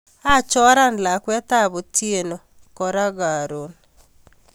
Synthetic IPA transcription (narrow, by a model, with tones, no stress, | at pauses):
a˦t͡ʃɔ˦ɾa˦n˨la˨kwɛ˦ta˦bo˨tʰie˨no˨ | kɔ˨ɾa˦ɡa˨ɾo˨n